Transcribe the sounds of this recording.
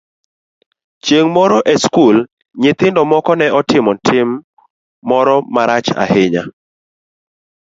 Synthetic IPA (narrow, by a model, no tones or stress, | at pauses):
t͡ʃjeŋmɔɾɔʔɛskul | ɲɪt̪ɪndɔmɔkɔnɛɔtɪmɔtʰɪmː | ɔɾɔmaɾat͡ʃa̰hɪɲa